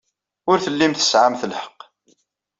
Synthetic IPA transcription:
ʊɾθəlːimθə̥sʕamθəlħə̥qː

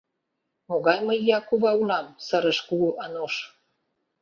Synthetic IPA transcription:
moɣɑjməjːɑkuβɑulɑmsəɾə̆ʃkuuʔɑnoʃ

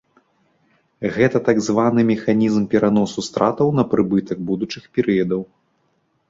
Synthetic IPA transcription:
ɣɛt̪ɐt̪aɡzvanɨmʲɛxanʲizmpʲɛɾanɔsust̪ɾʔat̪ɐwnɐpɾɨbɨt̪ɐk̚bud̪ut͡ʂɨxpʲɛɾɨjɐd̪ɐw

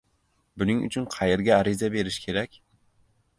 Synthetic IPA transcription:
bunɪŋy̰t͡ʃʰynqʰɑjeɾɡʲɛːɾizɛbeɾɪʃkʲʰeɾɛkʲ

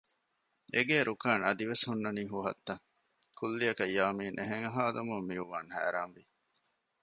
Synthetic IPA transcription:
eɡeːɾʔukaːnɐd̪iʋeshunːɐniːɦuɦɐ̰t̪ːɐŋ | kʰulːiɐkɐjːaːmiːnʔeɦeŋɐɦaːd̪ɐmumːiuʋaːŋhæ̰ːɾaːmʋi

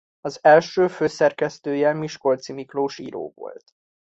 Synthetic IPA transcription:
ɒzɛlʃøːføːsɛrkɛst̪øːjɛlmiʃko̞lt̪simikloːʃḭːɾo̰ːvo̰lt̪

